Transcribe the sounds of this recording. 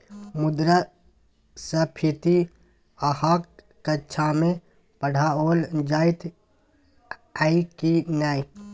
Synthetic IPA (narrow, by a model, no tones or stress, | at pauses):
mud̪ɾə | səpʰit̪i | əhakː | ətːʃʰame | pəɽ̤ʱaoːld͡ʒaːit̪ʰ | aikinaːi